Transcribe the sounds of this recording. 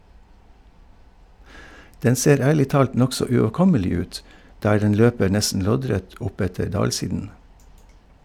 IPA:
ˈdɛn ˈseːɾ ˈæːɭɪ ˈtɑːlt ˈnɔksɔ ʉoːˈkɔməlɪ ˈʉːt ˈdæː ˈɖɛn ˈløːpəɾ ˈnɛsn̩ ˈlɔɟˌɾɛt ˈʔʊˌpɛtəɾ ˈdɑːlˌsiːdən

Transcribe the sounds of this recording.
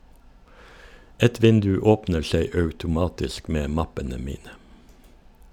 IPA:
ˈɛt ˈʋɪndʉ ˈoːpnə ˈʃeɪ ɑʉtʊˈmɑːtɪsk ˈmeː ˈmɑpənə ˈmiːnə

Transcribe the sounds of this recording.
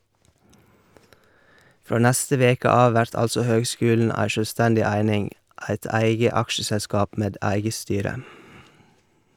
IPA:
ˈfɾoː ˈnæstə ˈʋeːkə ˈɑːʋ ˈʋæɾt ˈɑlsɔ ˈhøːɡˌskʉːln̩ ˈæɪ ʃœˈstændɪ ˈæɪnɪŋ ˈæɪt ˈæɪɡə ˈɑkʃəsɛˌskɑːp ˈmeːd ˈæɪɡə ˈstyːɾə

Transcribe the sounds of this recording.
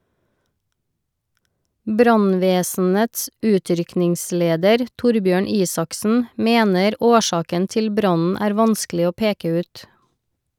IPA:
ˈbɾɑnˌʋeːsn̩əts ˈʉːˌtɾʏknɪŋˌsleːdəɾ ˈtʊɾˌbjøːɳ ˈiːsɑksn̩ ˈmeːnəɾ ˈoːˌʃɑːkən ˈtɪl ˈbɾɑnn̩ ˈæːɾ ˈʋɑnsklɪ ˈoː ˈpeːkə ˈʉːt

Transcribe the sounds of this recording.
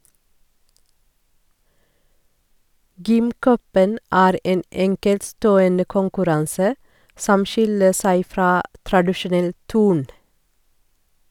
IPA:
ˈɡʏmˌkœpən ˈæːɾ ˈeːn ˈɛŋkɛltˌstoːənə kʊŋkʉˈɾɑnsə ˈsɔm ˈʃɪlə ˈsæɪ ˈfɾɑː tɾɑdɪʃʊˈnɛl ˈtʉːɳ

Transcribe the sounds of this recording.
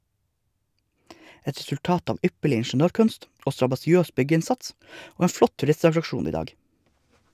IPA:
ˈɛt ɾɛsʉlˈtɑːt ˈɑːʋ ˈʏpəɭɪ ɪɳʃn̩ˈøːɾˌkʉnst ˈoː stɾɑbɑsɪˈøːs ˈbʏɡəˌɪnsɑts ˈoː ˈeːn ˈflɔt tʉˈɾɪstɑtɾɑkˌʃuːn ˈiː ˈdɑːɡ

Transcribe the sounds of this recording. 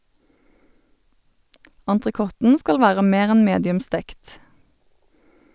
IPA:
ɑntʁəˈkɔtn̩ ˈskɑl ˈʋæːʁə ˈmeːʁ ˈɛn ˈmeːdɪʉm ˈstɛkt

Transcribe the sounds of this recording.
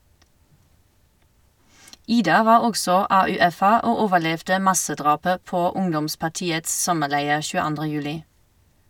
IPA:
ˈiːdɑ ˈʋɑːʁ ˈɔɡsɔ ɑːʉːˈɛfə ˈʔoː ˈoːʋəˌlɛʋdə ˈmɑsəˌdʁɑːpə ˈpoː ˈʊŋdɔmspɑʁˌtiːəts ˈsɔməˌlæɪəʁ ʃʉːəˈɑndʁə ˈjʉːlɪ

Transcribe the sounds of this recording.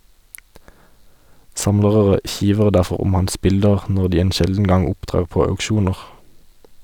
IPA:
ˈsɑmləʁəʁə ˈçiːʋəʁ ˈdæʁfɔʁ ˈʊm ˈhɑns ˈbɪldəʁ ˈnɔʁ ˈdiː ˈeːn ˈʃɛldn̩ ˈɡɑŋ ˈʊpˌtʁeːʁ ˈpoː ɑʉkˈʃuːnəʁ

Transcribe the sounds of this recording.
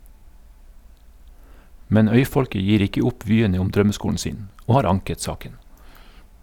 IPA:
ˈmɛn ˈœʏˌfɔlkə ˈjiːɾ ˈɪkə ˈʊp ˈʋyːəɲə ˈʊm ˈdɾœməˌskuːɳ̩ ˈsiːn ˈoː ˈhɑːɾ ˈɑŋkət ˈsɑːkən

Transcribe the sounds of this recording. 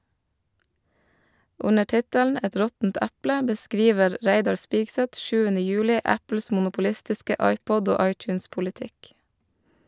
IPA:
ˈʊnə ˈʈɪtəln̩ ˈɛt ˈɾɔtn̩t ˈæplə bəˈskɾiːʋəɾ ˈɾæɪdɑɾ ˈspɪɡsɛt ˈʃʉːənə ˈjʉːlɪ ˈæpl̩s mʊnʊpʊˈlɪstɪskə ˈɑɪˌpɔd ˈoː ˈɑɪˌtjʉːnspʊlɪˌtɪk

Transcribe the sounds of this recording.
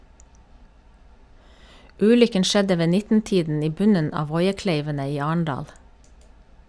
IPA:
ˈʉːlʏkən ˈʃɛdə ˈʋeː ˈnɪtn̩ˌtiːdn̩ ˈiː ˈbʉnən ˈɑː ˈʋɔʏəˌkleɪʋənə ˈiː ˈɑːɳ̩ˌɖɑːl

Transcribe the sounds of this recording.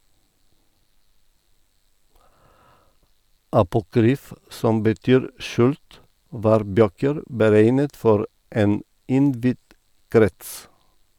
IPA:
ɑpʊˈkɾyːf ˈsɔm bəˈtyːɾ ˈʃʉːlt ˈʋɑːɾ ˈbøːkəɾ bəˈɾeɪnət ˈfɔɾ ˈeːn ˈɪnˌdʋɪd ˈkɾɛts

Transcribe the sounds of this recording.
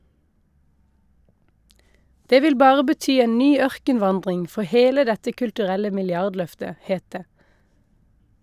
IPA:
ˈdeː ˈʋɪl ˈbɑːʁə bəˈtyː ˈeːn ˈnyː ˈœʁkənˌʋɑndʁɪŋ ˈfɔ ˈheːlə ˈdɛtə kʉltʉˈʁɛlə mɪlˈjɑʁdˌlœftə ˈheːt ˈdeː

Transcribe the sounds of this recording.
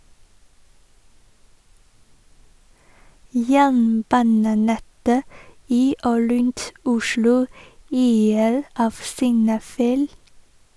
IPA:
ˈjæːɳˌbɑːnəˌnɛtə ˈiː ˈoː ˈɾʉnt ˈʊʃlʊ ˈyːəɾ ˈɑːʋ sɪŋˈnɑːˌfæɪl

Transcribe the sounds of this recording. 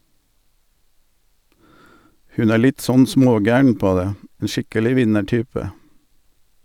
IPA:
ˈhʉn ˈæː ˈlɪt ˈsɔn ˈsmoːˌɡæːəɳ ˈpoː ˈdeː ˈeː ˈʃɪkəlɪ ˈʋɪnəˌʈyːpə

